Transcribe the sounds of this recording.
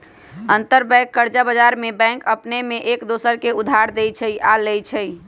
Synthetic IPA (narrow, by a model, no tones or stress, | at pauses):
ənt̪əɾbɛ̃kːəɾd͡ʒabad͡ʒaɾmebɛ̃ŋkəpnemeʔekd̪osəɾkeud̪ʱːaɾd̪ejt͡ʃʰəjʔalɛjt͡ʃʰəj